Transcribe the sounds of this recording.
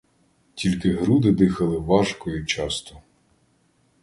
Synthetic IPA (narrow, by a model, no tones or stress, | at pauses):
tʲilʲkɪɦɾud̪ɪd̪ɪxɐlˠɪʋɑʒkɔjʊt͡ʃɑst̪ʊ